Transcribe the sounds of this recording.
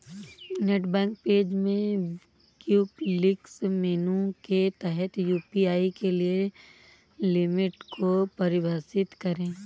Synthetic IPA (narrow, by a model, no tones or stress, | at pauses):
neːʈbɛ̃ːŋk̚peːd͡ʒmẽ | kjuːplɪksmeːnũket̪ɛɦɛt̪juːpiaːikelie | lɪmɪʈkʰopɐɾɪbʱaːsɪt̪kɐɾẽː